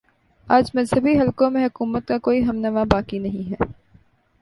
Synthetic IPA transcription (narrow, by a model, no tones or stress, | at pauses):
aːd͡ʒmɐzɦəbiɦɐlkõmẽɦʊkuːmət̪̚kakoːiɦɐmnɐʋabaːkinɐɦĩɦɛː